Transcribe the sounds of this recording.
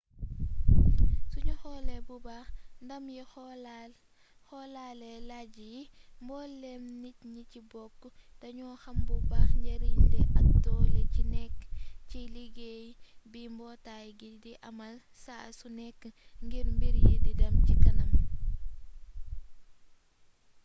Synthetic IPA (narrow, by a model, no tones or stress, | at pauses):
suɲuxɔlɛbubaːxndɐmji | xɔlalɛlaɟiji | mbɔlɛmnit̚ɲicibɔkːdɐɲɔːxɐmbubaːxɲɟɐɾidɛʔɐk̚tɔːlecinɛkːciliɡejbimbɔːtajɡidiʔɐmɐl | sasunɛkːŋɡiɾmbiɾjididɐmcikɐnɐm